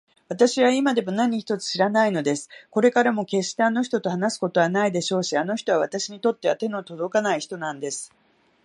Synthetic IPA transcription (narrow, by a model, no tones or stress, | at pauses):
β̞at̪aɕiβaimad̪e̞mo̞naɲ̟içi̥t̪o̞t͡sɨ̥ɕiɾanaino̞d̪e̞sɨ̥ko̞ɾe̞kaɾamo̞ke̞ɕt̪e̞ano̞ç̬ʲi̥t̪o̞t̪o̞hanasɨ̥ko̞t̪o̞β̞anaid̪e̞ɕo̞ːɕiano̞çi̥t̪o̞β̞aβ̞at̪aɕiɲ̟it̪o̞t̪ːe̞βat̪e̞no̞t̪o̞d̪o̞kanaiçi̥t̪o̞nãnd̪e̞sɨ̥